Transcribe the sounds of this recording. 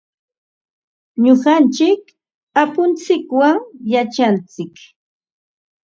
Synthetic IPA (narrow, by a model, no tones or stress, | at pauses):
ɲoɢɑnt͡ʃɪk | apʊnt͡sɪkwaŋjat͡ʃant͡sɪk